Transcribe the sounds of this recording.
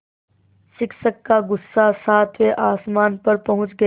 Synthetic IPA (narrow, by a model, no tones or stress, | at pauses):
sɪksəkːaɡʊsːasaːt̪ʰʋeʔaːsmaːnpɐɾpɐɦʊ̃t͡ʃɡɐ